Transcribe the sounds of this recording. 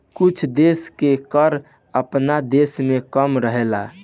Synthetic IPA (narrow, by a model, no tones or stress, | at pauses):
kut͡ʃʰd̪eskekəɾ | əpnad̪esmekəmɾəɦela